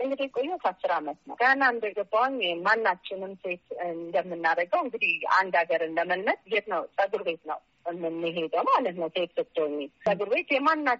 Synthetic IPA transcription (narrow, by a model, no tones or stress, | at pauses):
ʔɨŋɡɨd̪ikʼojːut̪ʰasːɨɾamət̪nə̰wkʰəanːand̪əɡəbːawɲmanːat͡ʃːɪnɨmse̞t̪ɨnd̪əmːɨnːaɾəɡəwɨŋɡɨd̪iha̰nd̪aɡəɾɨnləməlmət̪jɛt̪nəwsʼəɡɨɾbe̞t̪nə̰w | ɨmɨnːɨɦed̪əwmalət̪nəwset̪sɨt̪ʰʼːoɲːisʼəɡɨɾβe̞t̪jɛmanːa